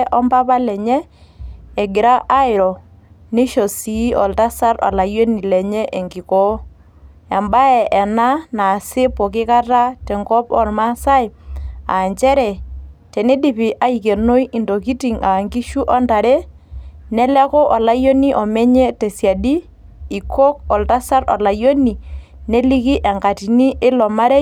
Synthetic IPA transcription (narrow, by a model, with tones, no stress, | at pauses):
ʔɔ˦mba˦pa˦lɛ˨ɲɛ˦ | ɛ˨ɡɪ˨ɾa˦ʔa˦ɪ˨ɾɔ˨ | nɪ˦ʃo˨si˨˦ɔ˨lta˦sa˦rɔ̰˨la˨jo˦ni˨lɛ˨ɲɛ˦ʔe˨ŋɡɪ˨kɔ˦ | ɛ˨mba˦ɛ˨ɛ˨na˦na˨sɪ˦pɔ˨kɪ˦ka˦ta˦tɛ˨ŋkɔ˦pɔ˦˨rma˦sa˦ɪ˨a̰˨ɲt͡ʃɛ˦ɾɛ˨tɛ˨ni˦di˦˨pi˨ʔa˨i˨ke˨no˦i˦ɪ˨ndo˨ki˦ti˨ŋa˨ŋɡi˦ʃu˦ʔɔ˦nta˨ɾɛ˦nɛ˦lɛ˦kɔ˦ʔɔ˨la˦jo˦ni˦ʔɔ˨mɛ˦ɲɛ˦te˨sja˨diː˦˨ | kʰo˦kɔ˨lta˦sa˦ɾɔ̰˨la˨jo˦ni˨ | ne˦li˦ki˦ʔɛ˨ŋka˨ti˨ni˦ʔɪ˦lɔ˨ma˦ɾɛ˦